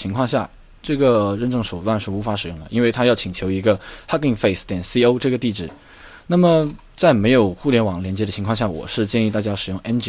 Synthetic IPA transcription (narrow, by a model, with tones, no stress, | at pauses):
t͡ɕʰi˧˥ŋkʰwɑ˥˧ŋɕ̬ja˥˩ | ʈ͡ʂɤ˥˩ɡə˩ɻə˥˧nʈ͡ʂɤ˥˩ŋʂo˨˩ʊt̪wa˥˧nʂɻ̩˥˩u˧˥fa˧˥ʂɻ̩˨˩jʊ˥˩ŋd̪ə˩ʔi˥nwe˥˩ɪt̪ʰa˥jɑ˥˩ʊt͡ɕʰi˨˩ŋt͡ɕʰjo˧˥ʊi˧˥ɡə˧ha˥ki˥˩ŋfe˥˩ɪst̪jɛ˨˩nsi˥o˥ʊʈ͡ʂɤ˥˩ɡə˩t̪i˥˧ʈ͡ʂɻ̩˥˩ | na˥˩mə˩ | t͡sa˥˩ɪme˧˥ɪjo˨˩ʊxu˥˩ljɛ˥nwɑ˨˩ŋljɛ˧˥nt͡ɕjɛ˧˥d̪ə˩t͡ɕʰi˧˥kʰwɑ˥˧ŋɕja˥˩wɔ̰˨˩ʂɻ̩˥˧t͡ɕjɛ˥˧ni˥˧t̪a˥˩t͡ɕja˥ʂɻ̩˨˩jʊ˥˩ŋɛ˥nt͡ɕ